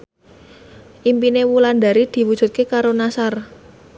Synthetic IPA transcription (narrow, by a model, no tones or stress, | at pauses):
ʔimpinewuland̪a̤ɾid̪̥i̤wud̥ʒ̥ṳt̪̚kekaɾonasar